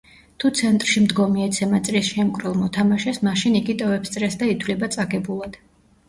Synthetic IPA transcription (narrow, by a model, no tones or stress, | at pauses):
t̪ʰut̪sʰɛnt̪ʼɾʃimd̪ɡɔmiɛt̪sʰɛmat̪sʼɾisʃɛmkʼɾɛlˠmɔt̪ʰamaʃɛsmaʃiniɡit̪ʼɔvɛpst̪sʼɾɛsd̪ait̪ʰvlibat̪sʼaɡɛbulˠad̪̥